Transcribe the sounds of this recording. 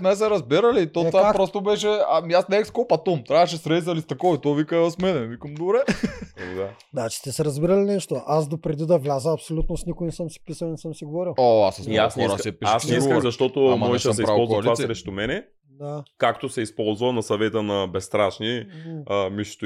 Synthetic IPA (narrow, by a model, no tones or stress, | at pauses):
mɛsɛɾɐzbiɾɐlit̪ot̪vapɾɔst̪obɛʃ̬ɛamiasnɛɛkskɔpɐt̪omt̪ɾʲavɐʃ̬ɛsɾɛsɐlist̪ɐkɔit̪ɔvikazəsmɛnɛvikəmd̪obɾɛɛd̪a | d̪at͡ʃi̥t̪ɛsɛɾɐzbiɾɐlinɛʃt̪oasd̪opɾɛd̪id̪ɐvlʲazəɐpsolʲut̪nosnʲikʊijnɛsəmsi̥pisɐlˠnɛsəmsiɡovɔɾilˠoasɐsasɔɾsipiʃasnɛiɡ̪kəmzɐʃt̪ɔt̪omɔʒɛʃɛd̪mɛipɾaɔlˠzkvlivassɾɛʃt̪omɛnɛ | d̪akakt̪osɛispɔlˠzvənɐsɐvɛt̪ənɐbɛst̪ɾaʃniəmiʃt̪